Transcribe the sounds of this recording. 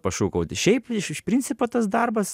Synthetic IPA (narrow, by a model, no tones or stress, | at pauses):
pɐʃuːkɐʊt̪ʲɪʃʲɛɪpɪʃɪʃpʲɾʲinʲtsʲɪpoːt̪ɐsd̪ɐrbɐs